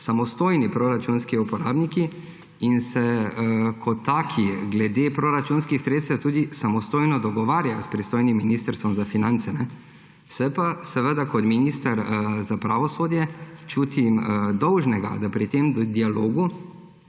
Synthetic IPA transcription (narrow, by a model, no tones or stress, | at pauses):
samɔst̪oːjnipɾoɾat͡ʃunskiupɔɾaːbniki | insɛ | kʰɔt̪ːaːkʰiɡlɛd̪eːpɾoɾat͡ʃuːnskixsɾeːt̪st̪t̪uːd̪isamɔst̪oːjnɔd̪ɔɡɔʋaːɾjajɔspɾist̪oːjnimːiniːst̪əɾst̪ʋɔmzafinãnt̪sɛnɛ | sɛpasɛʋəd̪akɔt̪minist̪aɾzapɾaːʋɔsoːd̪jɛt͡ʃuːt̪imd̪ɔwʒnɛɡa̰d̪apɾit̪emd̪d̪ialoːɡu